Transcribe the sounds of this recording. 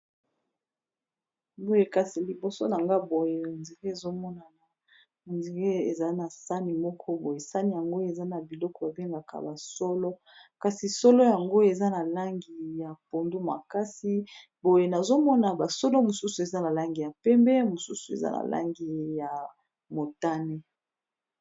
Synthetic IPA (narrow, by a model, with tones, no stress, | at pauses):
bo˦je˨ka˨si˨li˨bo˨so̰˦na˨ŋɡa˦bo˨je˨ndi˨ɡe˦e˨zo˦mɔ˦na˨na˨ | nzi˨ɡe˦e˨za˨˦na˨sa˦ni˨mɔ˦kʰɔ˦bo˨je˨sa˦ni˨ja˨ŋɡo˦e˨za˦na˨bi˨lɔ˦kɔ˨ba˨be˦ŋɡa˨kʰa̰˨ba˨sɔ˦lɔ˦ | ka˨si˨so˦lɔ˦ja˨ŋɡo˦e˨za˦na˨la˦ŋɡi˨ja˨po˨ndu˦ma̰˨ka˦si˦ | bo˨je˨na˨zo˦mɔ˦na˨ba˨sɔ˦lo˦mo˨su˦su˨e˨za˦na˨la˦ŋɡi˨ja˨pɛ˦mbɛ˦mo˨su˦su˨ḛ˨za̰˦na̰˨la̰˦ŋɡi˨ja˨ | mo˨ta˦ne˦